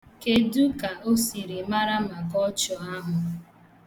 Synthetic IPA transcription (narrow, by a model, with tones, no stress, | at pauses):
ke˦du˦ka˨o˦si˨ɾe˨ma˦ɾa˦ma˨kɔ˦t͡ʃɔ˨a˦ɦʊ˨